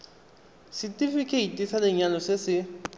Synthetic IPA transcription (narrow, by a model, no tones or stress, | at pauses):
sitʼifikʰɛitʼisaleɲalɔsesɪ